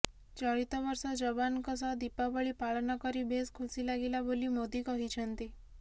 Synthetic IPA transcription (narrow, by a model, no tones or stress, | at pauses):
t͡ʃɔɭit̪ɔʋɔɾsɔd͡ʒɔbankɔsad̪ipabɔɭipaɭnakɔɾibʱeskʰusilaɡelabolimod̪ikɔɦit͡ʃʰɔnt̪i